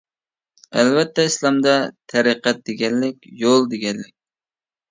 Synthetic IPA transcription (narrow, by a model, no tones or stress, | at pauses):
ælvɛt̪ʰːɛislˠɑmd̪ɑt̪ʰɛɾɨqæt̪̚d̪eɡʲɛnlɪkʲjolˠd̪eɡʲɛnlɪk̚ʲ